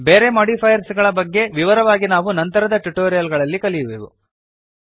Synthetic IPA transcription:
beːɾe̞mɔːɽipʰɐjɐɾsɡɐɭɐbɐɡːe̞ʋiʋɐɾɐʋaːɡinaːʋunɐnt̪ɐɾɐd̪ɐʈuʈoːɾijɐlɡɐɭɐlːikɐlijuʋeːʋṵ

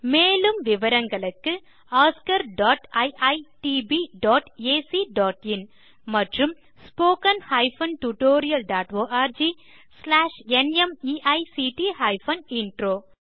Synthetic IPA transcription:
meːlɯmʋɪʋɐɾɐŋɡɐɭɯkːɯ | aːskɐɾɖaːʈɐɪʔɐɪʈiːbiɖɔːʈeːsiɖɔːʈɪn | mɐʈrɯm | spoːkɐnhɐɪfɐnʈuʈoːɾɪjɐlɖaːʈoːʔaːɾd͡ʒiː | slaːʂɛnɛmiːʔɐɪsiːʈihɐɪfɐnɪnʈɾoː

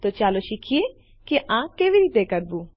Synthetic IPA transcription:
t̪ot͡ʃaːloʃikʰie | kiʔãːkeːʋiɾiːt̪ekɐɾbu

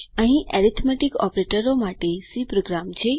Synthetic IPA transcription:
əɦĩʔɛɾit̪ʰmɛʈikɔ̰pɾeʈəɾomaʈesipɾoɡɾamt͡ʃʰe

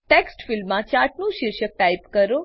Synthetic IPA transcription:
ʈeksʈfɪlmːãt͡ʃaʈnũʃɪɾʃək̚ʈajpkəɾo

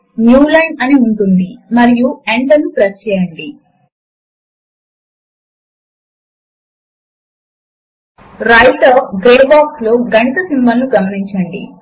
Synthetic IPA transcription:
njuːlɐjnɐniuɳʈund̪imɐɾijueɳʈɐnːupɾɐt͡ʃɛːjɐɳɖi | ɾɐjʈ̪ɐɡɾeɖbaːkslo̞ːɡɐɳit̪ɐsimbɐlːuɡɐmɐniɲt͡ʃɐɳɖḭ

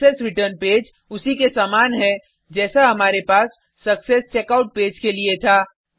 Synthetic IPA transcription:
esɾiʈəɾnped͡ʒ | usikesamanɦɛ | d͡ʒɛːsaɦəmaɾepaːsː | əksest͡ʃekaʊʈ̚ped͡ʒkeliet̪ʰa

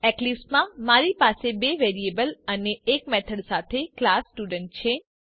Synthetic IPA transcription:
ɛklismãmaɾipasebeʋeɾiebələneːkmɛt̪ʰəɽsat̪ʰeklasːʈuɖəɳʈ̚t͡ʃʰe

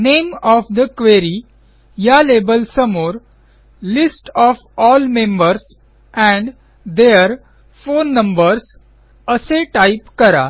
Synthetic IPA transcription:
nemɔːfd̪əkʋeɾi | jalebəlsəmoɾ | lisʈɔːfɔːlmẽmbəɾs | ɛ̃ɳɖ | d̪eəɾ | foːnːə̃mbəɾs | əseʈaɪpkəɾa̰

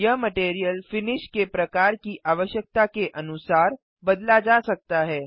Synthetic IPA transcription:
jɐɦmɐʈeːɾijəlfɪnɪʃkepɾɐkaːɾkiʔʔaːʋəʃjək̚t̪akeʔɐnʊsaːɾ | bɐd̪lad͡ʒasɐk̚t̪aɦɛː

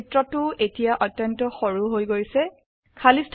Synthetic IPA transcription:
tɹɔtʊetijaʔɔtjɔntɔxoɹuɦojɡoɹisɛ | kʰalistʰ

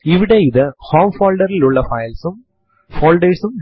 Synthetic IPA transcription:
iʋiɽeiðɨhoːmfoːlɖɐɾiluɭːɐfɐjlsum | foːlɖeːsum

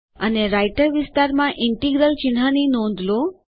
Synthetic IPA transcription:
əneɾajʈəɾʋɪst̪aɾmãʔɪɳʈiɡɾəlt͡ʃɪnɦaninɔ̃nd̪ʱlo

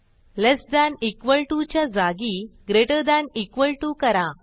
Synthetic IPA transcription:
lesd̪anikʋəɭʈut͡ɕjad͡zaɡiɡɾeʈəd̪ãnikʋəlʈukəɾa

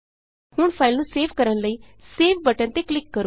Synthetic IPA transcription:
huːɳfailnuseʋkəɾãnlai | seʋbəʈãnt̪eklikːəɾuː

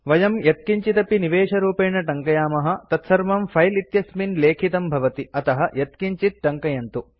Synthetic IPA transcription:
ʋɐjɐmjɐt̪̚kiɲt͡ʃit̪ɐpiniʋeːʂɐɾuːpeːɳɐʈɐŋkɐjaːmɐɦɐ̆t̪ɐt̪sɐɾmɐmpʰɐjlit̪jɐsminleːkʰit̪ɐmbʱɐʋɐt̪iɐt̪ɐɦɐjɐt̪kiɲt͡ʃit̪̚ʈɐŋkɐjɐnt̪u

